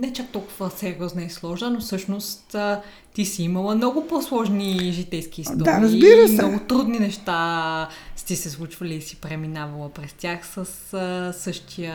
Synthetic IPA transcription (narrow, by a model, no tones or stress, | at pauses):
nɛt͡ʃak̚t̪ɔlˠkʊvəsɛɾiɔznɐislˠɔʒnənofsɤʃnost̪ː | isiiməlˠəmnɔɡʊposlˠɔʒniʒit̪ɛjsk̟iːstd̪ɔaɾɐzbiɾəmnɔɡʊt̪ɾud̪ninɛʃt̪a | st̪isɛslˠut͡ʃvɐliːsi̥pɾɛminavɐlˠəpɾɛst̪ʲjaxsəssɤʃt̪ʰijə